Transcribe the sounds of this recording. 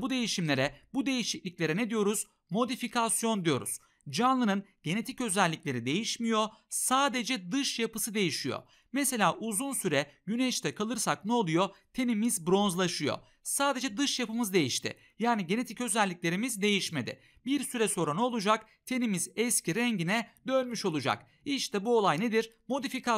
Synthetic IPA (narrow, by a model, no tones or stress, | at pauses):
bud̪e̞jiʃimlʲe̞ɾɛbud̪e̞jiʃiclʲicʲlʲeɾɛned̪ijo̞ɾuz̥ | mo̞d̪ifikʰasjo̞nd̪ijo̞̰ɾṵz̥ | d͡ʒanlˠɯnɯnɟ̥e̞ne̞t̪ʰicø̞zɛlʲːiclʲe̞ɾid̪e̞jiʃmijo̞saːd̪e̞d͡ʒɛd̪ɯʃjapɯsɯd̪e̞jiʃijo̰ | mɛse̞lʲaːʔuzunsyɾɛjyneʃt̪ʰɛkʰalˠɯɾsak̚nɛolˠujo̞t̪ʰe̞nimizbɾo̞nzlˠaʃɯjo̰ | saːd̪e̞d͡ʒɛd̪ɯʃjapɯmɯzd̪e̞jiʃt̪ʰɪ̰ | jaːniɟene̞t̪ʰicø̞zɛlʲːicʲlʲe̞ɾimizd̪e̞jiʃme̞d̪ɪ̰ | biɾsyɾɛso̞ɾano̞lˠud͡ʒak | t̪ʰe̞nimizɛscʰiɾɛɲɟinɛd̪ø̞nmyʃo̞lˠud͡ʒa̰k | iʃt̪ʰɛbuolˠajne̞d̪iɾ | mo̞d̪ifikʰa